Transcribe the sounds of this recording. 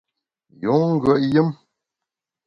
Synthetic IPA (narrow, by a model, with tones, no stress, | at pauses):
ju˨˦ŋ̩˦ɡə˦˨ʔjɨ˦m